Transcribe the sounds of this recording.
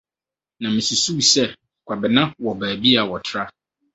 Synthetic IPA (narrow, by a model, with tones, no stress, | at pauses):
nã˨mɪ̃˨su˨su˦˨sɛ˦˨ | kʷʰa˨bɪ˨nã˦wɔ˨bæː˨bi˦a˨wɔ˨tʰɾa˦